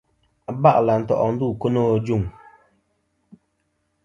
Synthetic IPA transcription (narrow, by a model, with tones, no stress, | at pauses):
ba˦˨ʔla˨n̩˨tɔ̰˨ʔɔ˨n̩˦du˦˨ko˦no˦˨d͡ʒu˦˨ŋ